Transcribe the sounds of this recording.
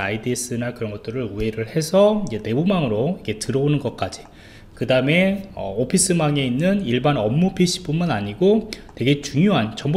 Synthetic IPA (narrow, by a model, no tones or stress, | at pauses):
aidies͈ɯnakɯɾʌnɡʌt͈ɯɾɯɭue̞ɾɯɭhe̞sʰʌiɲd͡ʑe̞ne̞bumaŋɯɾoike̞tɯɾʌonɯnɡʌt̚k͈ad͡ʑi | kɯdaɯme̞ʌ̰opʰis͈ɯmaŋe̞inːɯniɭbanʌmːupʰiɕ͈ʰi̥p͈unmɯnaɲiɡote̞ɡe̞t͡ɕuŋjoɦant͡ɕʌmb